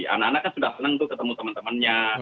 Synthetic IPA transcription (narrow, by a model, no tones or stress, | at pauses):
a̰naanaʔkansudahsənəŋt̪ʊkət̪əmut̪əmənt̪əmənɲa